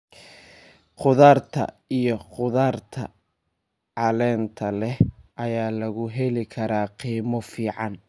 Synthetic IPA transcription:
qʊðaːrt̪ʰɐ̰ | ijɔχʊðaːrt̪ʰɐ̰ | ʕɑlɛːnt̪ʰɐlɛhʔɐjaːlɐɣʊɦɛlɪkʰɐɾaːqiːmɔfiːʕɑn

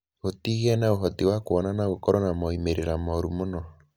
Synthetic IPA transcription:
otiɣiɛnaoɦɔtiwakoɔnanaɣokɔɾɔnamɔimeɾeɾamɔɾumonɔ

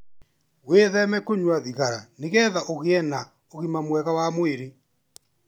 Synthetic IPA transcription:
weðɛmɛkoɲwaðiɣaɾaneɣɛːðaʔoɣeɛna | oɣimamwɛɣawamweɾe

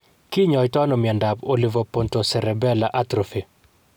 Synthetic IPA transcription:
kiɲɔjtɔnɔmɪɛndapolivopontosɛɾɛbɛlaʔatɾofi

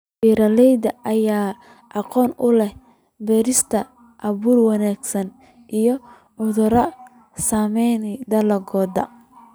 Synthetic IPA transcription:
biːɾɐlɛjd̪ɐʔɐjaː | ʔɑqɔːnʊlɛh | bɛːɾɪst̪ʰɐ | ʔɐβuːrwɑnaːɡsɐn | ʔijɔ | ʕʊðʊɾɐ | saːmɛjnd̪ɐlɐɡɔːd̪ɐ̰

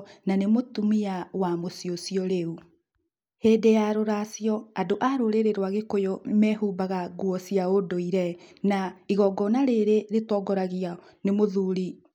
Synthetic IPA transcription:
nanemotumiawamosiosjɔɾeu | heːdejaɾoɾasijɔadoʔaɾoɾeɾeɾwaɣekojomɛhuːbaɣaɡwɔsiaodoiɾɛnaiɣɔɡɔnaɾeɾeɾetɔɡɔɾaɣia | nemoðuɾi

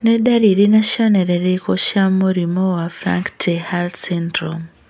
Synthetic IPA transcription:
nedaɾiɾinaʃjoneɾeɾekoʃjamuɾimowafɾa̰ŋktʰehalsentɾom

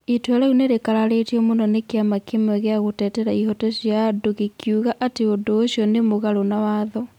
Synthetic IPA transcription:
etwɛɾauneɾekaɾaɾetiɔmonɔnekeamakemɛɣeaɣotɛːtɛɾaihɔtɔɕjadoɣekʰjuɣaʔateodoːɕjɔnemoɣaɾonawaːðɔ

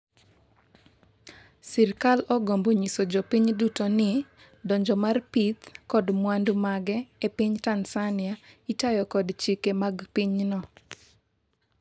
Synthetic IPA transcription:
siɾkalɔɡomboɲisod͡ʒɔpiɲdutonɪ | dɔɲd͡ʒɔmarpit̪kɔdmwandumaɡɛepiɲtansanɪaitajɔkɔdt͡ʃikemaɡpiɲnɔ

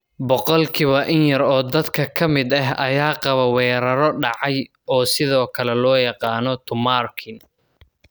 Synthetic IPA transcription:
bɔqɔlkʰɪβɐʔɪnjɐɾɔːd̪ɐd̪kʰɐkʰɐmɪd̪ɐɦɐ̰jaːqɑβɐwɛːɾɐɾɔɖɑʕɑj | ɔːsɪðɔːkʰɐlɛlɔːjɑqɑːnɔt̪ʰʊmaːrkʰɪn

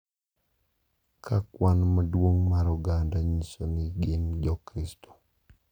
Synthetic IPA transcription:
kʰakwanmadwoŋmaɾɔɡandaɲisonɪɡɪmd͡ʒɔkɾistɔ̥

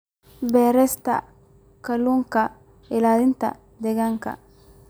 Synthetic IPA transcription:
bɛːɾɛst̪a̰ | kɐluŋka | ɪlad̪int̪a̰ | d̪ɛɡɐŋka̰

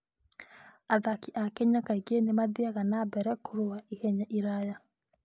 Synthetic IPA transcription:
aðakiʔakeɲakaiɡenemaðiaɣanabɛɾɛkuɾoaʔiɣɛɲaʔiɾaja

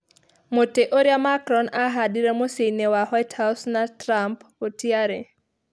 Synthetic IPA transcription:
moteʔoɾiamakɾɔnaɦadiɾɛmosenewahwajtʰhasnatɾampotiaɾe

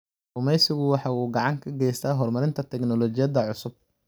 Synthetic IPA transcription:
ʊmɛjsɪɣʊwɑħɑːuːɡɑʕɑŋkʰɐɡɛjst̪ʰaːɦɔrmɐɾɪnt̪ʰɐt̪ʰɛknɔlɔt͡ʃɪjɐd̪ɐʕʊsʊb̚

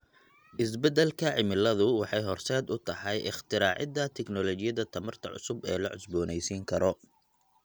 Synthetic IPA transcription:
ʔɪs̬bɛd̪ɛlkʰɐʕɪmɪlɐðʊwɑħɑjɦɔrsɛːd̪ʊt̪ʰɐħɑjʔɪχt̪ʰɪɾaːʕɪ̰d̪ɐt̪ʰɛknɔlɔt͡ʃɪjɐðɐt̪ʰɐmɐrt̪ʰɐ̰ʕʊ̰sʊbɛ̰ːlɐʕʊsbɔːnɛjsiːŋkʰɐɾɔ

